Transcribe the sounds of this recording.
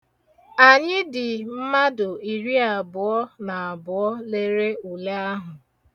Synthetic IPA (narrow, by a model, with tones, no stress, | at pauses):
a˨ɲɪ˦dɪ˨m̩˦ma˦dʊ˨i˨ɾi˦a˨bʊ˨ɔ˦na˨a˨bʊ˨ɔ˦le˦ɾe˦u˨le˦a˦ɦʊ˨